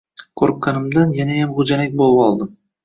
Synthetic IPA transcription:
kʰɵɾk̚ʲːanɪmd̪anjanajamʁʊd͡ʒanak̚ʲbolˠɪpɒlˠd̪ɪm

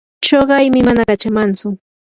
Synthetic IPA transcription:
t͡ʃoɢɑjmɪmanakat͡ʃamant͡sʊ

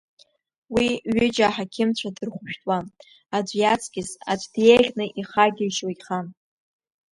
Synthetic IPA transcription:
wiɥʏd͡ʒaħakʲʰɪmt͡ɕʷʰadɨrχʷʊʃᶣtʼwan | ad͡ʒʷjat͡sʰɡʲɪsa̰d͡ʒʷʰʼdjeɮʲnɨʔiχaɡʲɪʃojχan

